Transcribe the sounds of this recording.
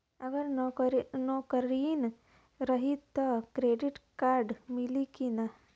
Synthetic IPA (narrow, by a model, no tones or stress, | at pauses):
ɐɡɐɾnɾnoːkɐɾiːn | ɾɐɦit̪ːɐkɾeːɖiʈkaːɾɖmilikina